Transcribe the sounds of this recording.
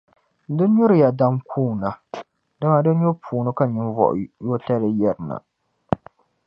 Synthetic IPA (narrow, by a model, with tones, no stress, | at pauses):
dɨ˦ɲʊ˦ɾɨ˨ja˨da˦mkʰuː˦˨na˨ | da˦ma˨dɨ˦n˦ɲo˦pʰuː˨nɨ˦ka˦ɲɪ˦nvɔ̰˦˨ʔjo˦ta˦lɨ˦jɛ˦ɾɨ˨na̰˨